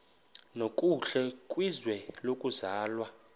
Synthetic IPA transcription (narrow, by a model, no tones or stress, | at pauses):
nokʼuɬɛkʼwizwɛlokʼuzaːlwa